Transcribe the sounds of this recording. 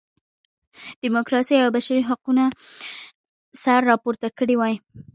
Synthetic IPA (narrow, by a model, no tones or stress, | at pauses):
d̪̥ɪmʊkɾɑsijawbaʃaɾiɦaquna | saɾːɑpoɾt̪akəɽiwɑj